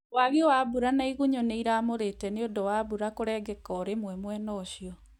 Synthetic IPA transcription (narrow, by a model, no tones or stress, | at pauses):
waɣewabuɾanaiɣuɲoneiɾaːmoɾetɛneodɔwaβuɾakoɾɛɡɛkɔːɾemwɛmwɛnɔːɕiɔ